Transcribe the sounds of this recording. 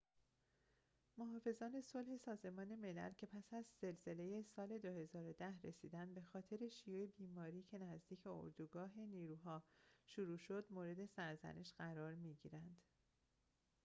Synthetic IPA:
moɦɒːfe̞zɒːne̞so̞lhe̞sɒːze̞mɒːne̞me̞læ̰lcʰe̞pʰæsæzz̥e̞lze̞le̞jesɒːle̞d̪ohe̞zɒːɾo̞d̪æhɾe̞siːd̪ænd̪be̞xɒːt̪ʰe̞ɾe̞ʃijuːebiːmɒːɾiːcʰe̞næzd̪iːcʰbe̞o̰ɾd̪uɡɒːɦe̞niːɾuːɦɒːʃuɾuːʃo̞d̪moːɾe̞d̪e̞sæɾzæ̰nʔeʃɢæɾɒːɾmiɟḭːɾænd̪̥

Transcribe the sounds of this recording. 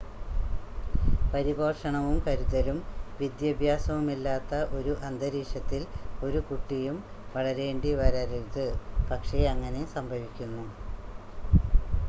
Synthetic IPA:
pɐɾibɐrʂɐɳɐʋumkɐɾuðɐlumʋid̪jɐbʱjaːsɐʋumilːaːt̪ːɐʔo̞ɾuʔɐnd̪ɐɾiːʂɐt̪ːilo̞ɾukuʈːijum | ʋɐɭɐɾe̞ːɳɖiʋɐɾɐɾiɻt̪ɨpɐkʂe̞ɐŋːɐne̞sɐmbʱɐʋikʲːunːu

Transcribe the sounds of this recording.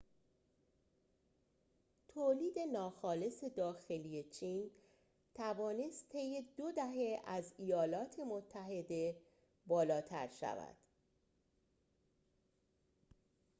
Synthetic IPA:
t̪ʰoːliːd̪e̞nɒːxɒːle̞se̞d̪ɒːxe̞liːje̞t͡ʃʰiːn | t̪ʰævɒːne̞st̪ʰːe̞jːe̞d̪od̪æɦe̞æzijɒːlɒːt̪ʰe̞mot̪ʰːæɦe̞d̪e̞ | bɒːlɒːt̪ʰæ̰ɾʃæ̰væ̰d̪̥

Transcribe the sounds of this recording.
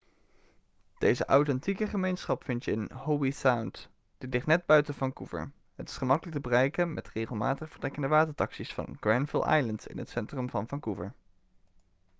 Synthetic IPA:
d̥ejzəʔawtɛntikəχəmejnsχɑpfɪntjəənhowbisawnt | d̥ɪtlɪχtnɛd̚bœɥtənvɑŋkuvə̰ɹ | ɦətɪ̥sχəmɑkələk̚təbərɛjkənmʔɛtrejχəlˠmaːtəχvəɹdɛkəndəʋaːtəɹtɑksisfɑ̰nɡ̥rɛnvɪlˠʔɑ̰jləntɪ̰nətsɛntrəmvɑnvɑŋkuvə̰ɹ

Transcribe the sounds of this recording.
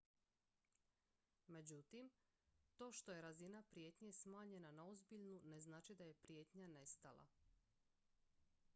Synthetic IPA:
me̞d͡ʑut̪imt̪o̞ːʃt̪o̞je̞ɾazinapɾije̞t̪ɲesmaːɲe̞nanao̞zbiʎnune̞znaːt͡ʃid̪aje̞pɾjet̪ɲane̞st̪alˠa̰

